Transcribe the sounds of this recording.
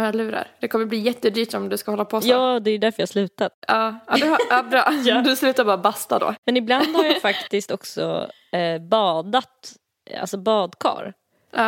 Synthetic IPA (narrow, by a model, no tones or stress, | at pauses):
alʉ̟ːɾa̰ɾd̪̥ɛkʰɔmːəbliːjɛt̪ːəd̪yːʈɔmd̪ɵskahɔlːapʰɔjɑːd̪ɛjd̪æɾfœjɑhaslʉ̟ːt̪at̪ɑːad̪ɵabɾɑad̪ɵslʉ̟ːt̪aɾbɑːɾabast̪ad̪o̰ːmɛnɪbland̪haɾjanːfakt̪ɪst̪ɔksɔ̰ | bɑːd̪at̪ | a̰lsɔbɑːd̪kʰɑ̰ːɾ